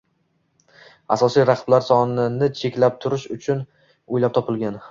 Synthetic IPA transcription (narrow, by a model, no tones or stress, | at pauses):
a̰sɒsijɾaqʰblaɾsɒnɪnɪt͡ʃʰe̞kʲlap̚t̪ʰʊɾɪʃʊt͡ʃʰʊn | ojlap̚t̪ʰɒpɪlɡʲan